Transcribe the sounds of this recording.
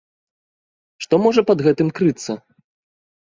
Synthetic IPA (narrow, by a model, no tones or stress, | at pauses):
ʂt̪ɔmɔʐɐpɐd̪ɣɛt̪ɨmkɾɨt̪sːɐ